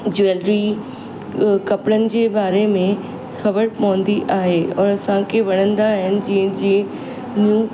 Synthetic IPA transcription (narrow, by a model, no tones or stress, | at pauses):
d͡ʑʊeːlɾi | kɐpɽənɪ̆d͡ʑeːbaːɾemẽ | xɐbəɾpɐʋə̃n̆d̪iʔaːɦeːɔːɾɐsãkʰeʋɐɽ̃ə̃nd̪aːɦɪənɪ̆d͡ʑĩːə̃d͡ʑiː | njuː